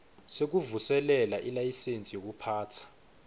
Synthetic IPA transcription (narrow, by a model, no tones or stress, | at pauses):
sek̬uvusɛlɛlaʔilajisent͡sʼijok̬upʰaːtʰḁ